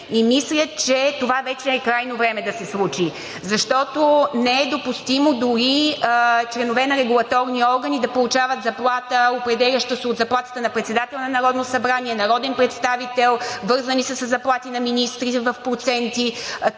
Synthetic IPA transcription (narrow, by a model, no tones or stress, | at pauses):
imislʲət͡ʃɛt̪ovavɛt͡ʃɛːkɾajnovɾɛmɛd̪ɐsɛslˠut͡ʃi | zɐʃt̪ɔt̪onɛɛd̪opust̪imod̪uɾi | t͡ʃlɛnovɛnɐɾɛɡulˠɐt̪ɔɾniɔɾɡənid̪ɐpolˠut͡ʃavət̪zɐplˠat̪əopɾɛd̪ɛlʲɐʃt̪əsɛot̪zɐplˠat̪ə̥t̪ənɐpɾɛt̪sɛd̪at̪ɛlˠnɐnɐɾɔd̪nosɐbɾaniɛnɐɾɔd̪ɛnpɾɛt̪st̪avit̪ɛlˠvɤɾzənisəsəzːɐplˠat̪inɐminist̪ɾiɛvəfpɾot̪sɛnt̪i